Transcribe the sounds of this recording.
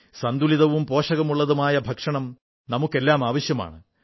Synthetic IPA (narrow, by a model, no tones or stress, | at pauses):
sɐnd̪uliðɐʋumpo̞ːʂɐɣɐmuɭːɐðumaːjɐbʱɐkʂɐɳɐm | nɐmukːe̞lːaːmaːʋɐɕjɐma̰ːɳɨ